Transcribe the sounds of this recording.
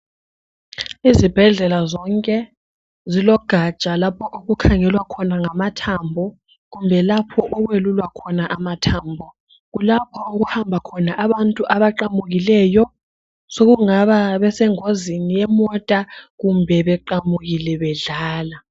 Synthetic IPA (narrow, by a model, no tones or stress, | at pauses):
izib̥ʱɛɮɛlazɔŋkʼɛ | zilɔɡ̥ʱat͡ʃʼalapʰɔʔoɣukʰaŋɛlwakʰɔnaŋamatʰambʱɔ | ɣumbʱɛlapʰɔʔɔɣwelulwakʰɔnaʔamatʰaːmbʱɔ | ɣulapʰɔoɣuhambʱakʰɔnaʔaβantʼuʔaβaǃamuɣilɛjɔ | soɣuŋaβaβɛsɛŋozinijɛmɔtʼaɣumbʱɛβɛǃamuɣilɛβɛɮaːla